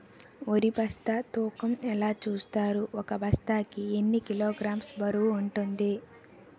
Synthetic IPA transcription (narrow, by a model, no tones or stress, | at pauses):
oɾibʱɐst̪at̪uːkɐmɛlaːt͡ʃuːst̪aːɾuʔɔkɐbʱɐst̪aːkienːikiloːɡɾaːmsbɐɾuwuuɳʈund̪i